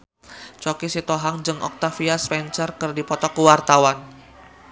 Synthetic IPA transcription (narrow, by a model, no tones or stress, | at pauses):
t͡ʃokisit̪oɦaŋd͡ʒɨŋʔɔ̰k̚t̪afiaspɛnt͡ʃərkɨrdipɔt̪ɔkuwart̪awan